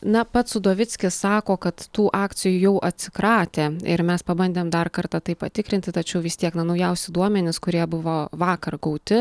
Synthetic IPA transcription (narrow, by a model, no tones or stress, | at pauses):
nɐpɐt̪sʊd̪oːʋʲɪt͡ssʲkʲɪssɑːkoːkɐt̪t̪uːʔɑːk̪t͡s̪ʲɪjujɛʊʔɐt̪ʲsʲɪ̥kɾɑːt̪ʲeːɪ̰ɾmʲɛspɐbɐnʲd̪ʲeːmd̪ɐrkɐrt̪ɑt̪ɐɪppɐt̪ʲɪkɾʲɪnʲt̪ʲɪt̪ɐt͡ʃʲɛʊʋʲɪst̪ʲiɛknɐnɐʊjɛʊsʲɪd̪uɔmʲɛnʲɪskʊɾʲiɛbʊʋoːʋɑːkɐrɡɐɒʊt̪ʲɪ